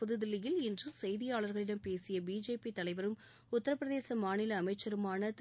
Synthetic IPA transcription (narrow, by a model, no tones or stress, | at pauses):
ʊðɯðɪlːɪjɪlɪndrɯsɛjðɪjaːɭɐɾɣɐɭɪɽɐmpeːsɪjɐbiːd͡ʒeːpit̪ɐlɐɪʋɐɾɯm | ʊt̪ːɐɾɐpːɾɐðeːsɐmaːnɪlɐːmɐɪt͡ʃːɐɾɯmaːnɐt̪